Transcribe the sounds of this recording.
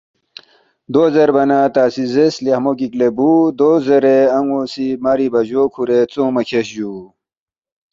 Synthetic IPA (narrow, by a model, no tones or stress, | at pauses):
d̪ozeɾbɐnat̪aːsizeslihmokiklebud̪ozeɾeɐŋɡosimaɾibɐʑoːkʰuɾet͡soːmɐkʰeɕʑu